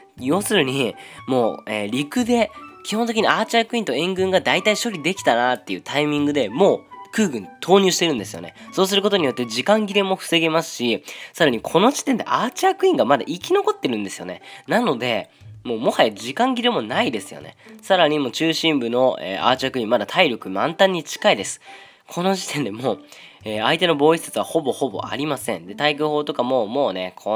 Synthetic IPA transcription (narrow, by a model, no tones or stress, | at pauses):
jo̞ːsɨɾɯ̟ɲ̟imo̞̰ːeːɾʲikɯ̟d̪e̞kʲi̥hõ̞nt̪e̞kʲiɲ̟iaːt͡ɕiakɯ̟ĩnt̪o̞ẽ̞ŋɡɯ̟̃ŋɡad̪ait̪aiɕo̞ɾʲid̪e̞kʲt̪anat̪ːe̞jɯ̟t̪ʰaimʲĩŋɡɯ̟d̪e̞mo̞ːkɯ̟ːɡɯ̟̃nt̪ʰo̞ːɲ̟ɨːɕi̥t̪e̞ɾɯ̟nd̪e̞sɨjo̞̰ne̞̰so̞ːs̬ɨɾɯ̟ko̞t̪o̞ɲ̟ijo̞t̪ːe̞d͡ʑikãŋɡʲiɾemo̞ɸɯ̟̥se̞ɡe̞masɨ̥ɕisaɾaɲ̟ikʰo̞no̞ʑi̥t̪ẽ̞nd̪e̞ʔat͡ɕiakɯ̟ĩŋɡamad̪a̰ʔikʲino̞ko̞t̪ːe̞ɾɯ̟̃nd̪e̞sɨjone̞̰nano̞d̪e̞ | mo̞ːmo̞hajad͡ʑikãŋɡʲiɾemo̞naid̪e̞sɨjo̞̰ne̞̰saɾaɲ̟imo̞ːt͡ɕɨːɕĩmbɯ̟no̞ḛːʔa̰ːt͡ɕiakɯ̟ĩmmad̪at̪ʰaiɾʲokɯ̟mã̰nt̪ãɲ̟ːit͡ɕi̥kaid̪e̞sɨ̥ | kʰo̞no̞ʑi̥t̪ẽ̞nd̪e̞mo̞ː | eːait̪e̞no̞bo̞ːisat͡sɨβaho̞bo̞ho̞bo̞̰ʔa̰ɾʲimasẽ̞̰nd̪e̞t̪aikɯho̞ːt̪o̞kamo̞ːmo̞ːne̞̰kʰo